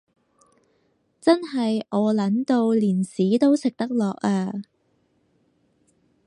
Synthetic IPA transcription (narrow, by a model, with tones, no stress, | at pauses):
t͡sɐ˥nɦɐ˨jʔɔː˨˧lɐ˨˥nt̪o˧wliː˨˩nsiː˨˥t̪o˥wsɪ˨k̚t̪ɐ˥k̚lɔː˨k̚aː˧